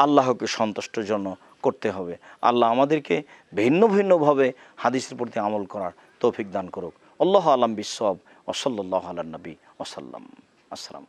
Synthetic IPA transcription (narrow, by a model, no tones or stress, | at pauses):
alːaɦokeʃɔnt̪oʃʈod͡ʑonːo | koɾt̪eɦɔbea̰lːaamad̪eɾke | bʱinːobʱinːobʱabe | had̪iseɾpɾot̪iamolkɔɾaɾ | t̪owfik̚d̪ankoɾuk | ɔlːɔɦoalambisːɔb | a̰sɔlːɔlːaɦoalaɾnabi | asa̰lːa̰m | asɾa̰m